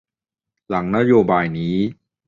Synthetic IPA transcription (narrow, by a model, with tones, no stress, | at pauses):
la˩˦ŋna˦˥joː˧baː˧jniː˦˥